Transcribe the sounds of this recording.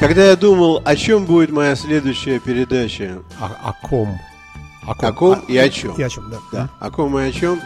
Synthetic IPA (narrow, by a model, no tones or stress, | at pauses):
kɐɡd̪ajad̪uməlˠɐt͡ɕo̞mbudʲɪt̪mɐjasʲlʲe̞d̪ʊjɕːɪjəpʲɪɾʲɪd̪at͡ɕəɐ̰kʰom | ɐɐko̞miɐt͡ɕo̰mad̪aɐ̰ko̞mɨɐt͡ɕo̞m